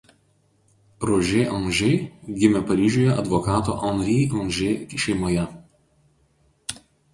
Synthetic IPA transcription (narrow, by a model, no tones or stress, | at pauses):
ɾoːʒʲeːʔɔŋʒʲɛɪɡʲɪmʲɛpɐɾʲiːʒʲʊːjɛʔɐ̰d̪ʋɔkɑːt̪o̰ːʔɔnɾʲiɔnʲʒʲeːʃʲɛɪmoːjɛ